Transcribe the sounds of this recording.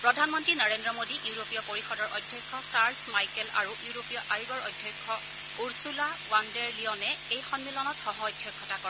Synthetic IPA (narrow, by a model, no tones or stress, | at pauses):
pɹɔdʱanmɔntɹinɔɹendɹɔmodiʔiɹopijɔpoɹixɔdɔɹɔjdʱjɔjkʰːɔsaɹlsmajkɛla̰ɹuʔuɹopijɔʔajiɡɔɹɔjdʱjɔjkʰːɔ | uɹsula | wandɛɹliɔnɛejxɔnmilɔnɔtxɔɦɔɔjdʱjɔkʰːɔtakɔɹ